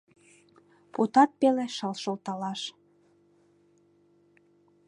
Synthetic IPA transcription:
put̪ɑt̪̚peleʃəlʃolt̪ɑlɑʃ

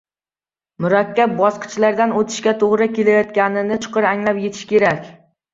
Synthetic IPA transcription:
mʊɾakʲʰːap̚bɒsqɨ̥t͡ʃlaɾd̪anot̪ʰɪ̥ʃkʲat̪ʰoʁɾɪkʲe̞lajɒt̪kʲanɪnɪt͡ʃʰʊ̥qɨɾaŋlapje̞t̪ʰɪ̥ʃkʲe̞ɾakʲ

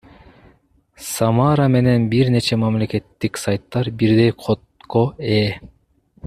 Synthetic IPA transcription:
sɑmɑɾame̞ne̞nbiɾne̞t͡ʃʰemamle̞ke̞t̪ːiksajt̪ːɑɾbiɾd̪e̞jqʰot̪kʰoe

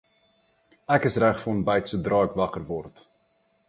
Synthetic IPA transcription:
ækəsræχfɔnbɛjtsudrɑːɛkvɐkərvɔrt

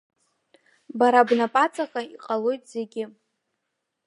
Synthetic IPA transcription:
baɾabnapʼat͡sʼakʼaiqʼalo̞jtʼz̥e̞ɡʲɪ

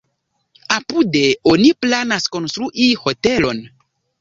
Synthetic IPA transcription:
apudeoniplanasko̞nst̪ɾuʔiho̞telo̞n

